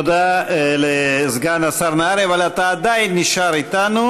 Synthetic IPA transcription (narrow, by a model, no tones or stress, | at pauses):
d̪alezɡanasaʁnaaɾevalat̪aːd̪ajinːiʃaɾit̪anu